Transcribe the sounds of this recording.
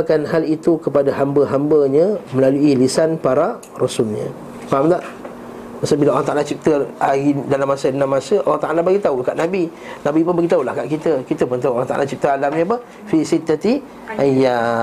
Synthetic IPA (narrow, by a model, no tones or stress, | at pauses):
akanhalit̪ukəpadaɦambəɦambəɲəməlaluilisanpaɾa | rɔsulɲə̰ | paamt̪aʔ | masəbilaʔoɾaŋt̪aʔalat͡ʃik̚t̪əaidalamːasədənamːasəa̰lːaht̪aʔalabaɡit̪aulkaʔnabi | nãbipʊnbəɡit̪aula̰hkaʔkit̪əkit̪əpənt̪aŋoɾãŋt̪a̰ʔa̰lat͡ʃik̚t̪əalamɲəpə | fisit̪ːat̪i | ʔaja